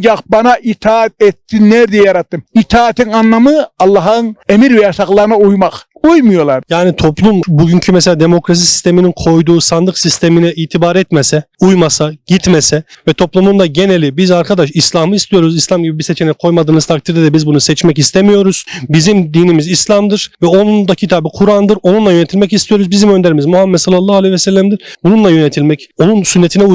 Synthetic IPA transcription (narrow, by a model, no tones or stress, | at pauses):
d͡ʒaqbanaʔit̪ʰaːat̪̚ɛt̪ːinːɛɾd̪ijjaɾat̪ːɯmit̪ʰaːt̪ʰiŋanːamɯɑlˠːɑɦɯnemiɾvɛjaʃaklˠaɾɯnaujmaqujmujolˠaɾjaːnit̪ʰo̞plˠumbuɟyɲcʰymɛselʲaːd̪emo̞kɾas̬isi̥st̪ʰe̞mininkʰo̞jd̪uːsand̪ɯksist̪ʰeminɛʔiːt̪ʰibaɾɛt̪mesɛujmasaɟ̥it̪mesɛvɛt̪ʰo̞plˠumund̪aɟe̞nelʲːibizaɾkʰad̪aʃislʲˠahmɯist̪ʰijo̞ɾuzislʲˠamɟibibiset͡ʃʰenɛkʰo̞jmad̪ɯːnɯt̪ʰak̚t̪ʰiɾd̪ɛd̪ɛbizbunusɛt͡ʃmɛcist̪ʰemijo̞ɾuz̥bizimd̪iːnimizislʲˠamd̪ɯɾ̥vɛo̞nund̪acʰit̪ʰaːbɯkʰuɾand̪ɯɾo̞nunlˠajøet̪ʰilmɛcist̪ʰijo̞ɾuzbizimø̞nd̪eɾimizmuhamːɛt̪salˠːalːˠaːhalʲˠɛjvɛsɛlːæmd̪iɾ̥bununlˠajø̞net̪ʰilʲmɛco̞nunsynːet̪ʰinɛu